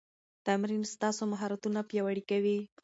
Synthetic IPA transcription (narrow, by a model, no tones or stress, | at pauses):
t̪amɾinst̪ɑsomaɦɑɾat̪unapjawaɽikawi